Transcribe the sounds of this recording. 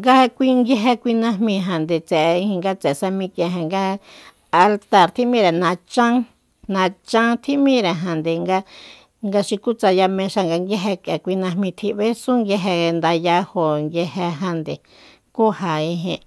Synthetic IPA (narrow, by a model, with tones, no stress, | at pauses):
ŋɡa˧kʷi˧ŋɡje˧ɦe˧kʷi˧nã˧ɦmĩ˧ɦa˨nd̪e˨t͡sɛ˨˧ĩ˧hĩ˧ŋɡa˧t͡sɛ˨sa˧mĩ˧kjẽ˧ɦã˨ŋɡa˧ | a˧lt̪a˧˨ɾt̪ʰi˦ʔmĩ˦ɾe˨nã˧t͡ʃã˦ | nã˧t͡ʃã˦t̪ʰi˦ʔmĩ˦ɾe˨ɦã˨nd̪e˨ŋɡa˧ | ŋɡa˧ʃi˧ku˦t͡sa˧ja˧mẽ˧ʃa˧ŋɡa˧ŋɡje˦ɦe˧ke˨kʷi˧nã˧hmĩ˧t̪ʰi˧ʔβe˦sũ˦ŋɡje˧ɦe˧nd̪a˧ja˧ho˨ŋɡje˧ɦe˧ɦã˧nd̪e˨ | ku˦ha˨ĩ˧ɦĩ˧ʔ